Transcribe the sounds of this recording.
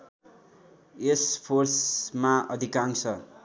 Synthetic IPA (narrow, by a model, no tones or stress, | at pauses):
espʰorsmaʌd̪ʱikaŋsʰʌ